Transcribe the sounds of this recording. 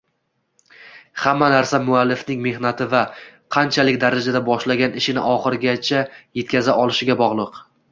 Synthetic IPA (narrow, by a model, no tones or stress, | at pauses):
hamːanaɾsamʊalːɪfnɪŋme̞hnat̪ʰɪvaqʰɑnt͡ʃʰalɪkʲd̪aɾad͡ʒad̪abɒʃlaɡʲanɪʃɪnɪ̰ʔɒχɨɾɡʲat͡ʃʰaje̞t̪̚kʲazaʔɒlˠɪʃɪɡʲabɒʁlˠɨq